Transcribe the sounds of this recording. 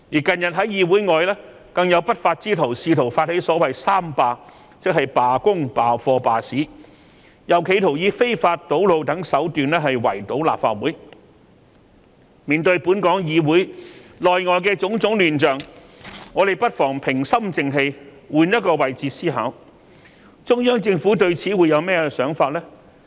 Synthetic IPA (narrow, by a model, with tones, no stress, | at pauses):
jiː˨˩kɐ˨njɐ˨t̚ɦɐ˨˥jjiː˨˧wuː˨˥jŋɔː˨˧jlɛː˥ | kɐ˧ŋjɐ˨˧wpɐ˥t̚faː˧t̚t͡siː˥t̪ʰo˨˩wsiː˧t̪ʰo˨˩wfaː˧t̚he˨˥jsɔː˨˥wɐ˨jsaː˥mpaː˨˧ | t͡sɪ˥k̚ɦhɐ˨jpaː˨kʊ˥ŋpaː˨fɔː˧paː˨siː˨˥ | jɐ˨˩wkʰe˨˧jt̪ʰo˨˩wjiː˨˧fe˥jfaː˧t̚t̪ːo˨˥wlo˨˧wt̪ɐ˨˥ŋsɐ˨˥wt̪yː˨nlɛː˥ɦɐ˨jwɐ̰˨˩jt̪o˨˥wla̰ː˨pfa̰ː˧t̚wuː˨˥j | miː˨nt̪ɵ˧ɥpuː˨˥nkɔː˨˥ŋjiː˨˧wuː˨˥jlɔː˨jŋɔː˨jk̬ɛː˧t͡sʊ˨˥ŋt͡sʊ˨˥ŋlyː˨˩nt͡ʃœː˨˩ŋ | ŋːɔː˨˧ɾe˨˩jpɐ˥t̚fɔː˨˩ŋpʰɪ˨˩ŋsɐ˥mt͡sɪ˨˧ŋɦe˧j | wuː˨˧njɐ˥t̚kɔː˧wɐ˨˩jt͡siː˨˧siː˥ɦa̰ː˨˥w | t͡sʊ˥ŋjœː˥ŋt͡sɪ˧ŋfuː˨˥t̪̬ɵ˧ɥt͡sʰiː˨˥wuː˨˧jɐ˨˧wmɛː˥ɛ˧sœː˨˥ŋfaː˧t̚lɛː˥